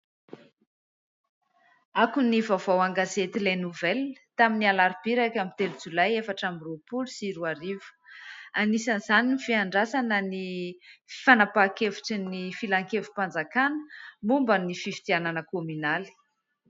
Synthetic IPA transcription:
akunivavowaŋɡazet̪ilenuvɛlt̪aminialaɾib̥iɾakʲamit̪eɾid͡zulajefaʈ͡ʂamirupulusiɾuaɾivu̥anisənzaninifiaɳɖ͡ʐasanənifi̥fanapakevu̥ʈ͡ʂinifilaŋkevu̥pand͡zakanə̥mumbanififi̥t̪iananəkomynali̥

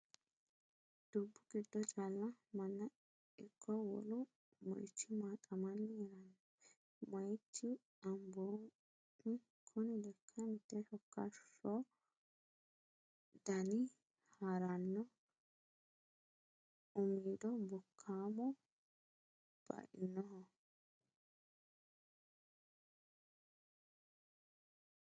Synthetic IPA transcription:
d̪̥ubːʊɡ̥ɪd̪ːɔt͡ʃʼalːɐmɐnːɐ | ɪkʰːɔwɔ̰lʊ | mɐ̰jt͡ʃːɪmaːkʼːɐmɐnːɪɛɾɐnɔ | mɐjt͡ʃːɪ | ɐmboː | nɪ | kʰʊnɪlɛkʰːɐmɪt̪ːɛʃɔkːɐʃɔ | d̪ɐnɪ | haɾɐnːɔ | ʊmiːd̪ɔbɔkʰːaːmɔ | b̥ɐ̰ʔɪ̰nːɔɦɔ

